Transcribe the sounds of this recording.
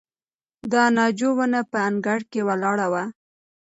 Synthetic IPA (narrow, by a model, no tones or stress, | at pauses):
d̪ɑnɑd͡ʒowənapəaŋɡaɽkewalɑɽawa